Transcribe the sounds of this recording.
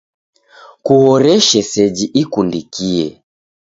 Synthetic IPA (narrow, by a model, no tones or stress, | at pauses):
kuhɔɾɛʃɛsɛd͡ʒiʔikundikiɛ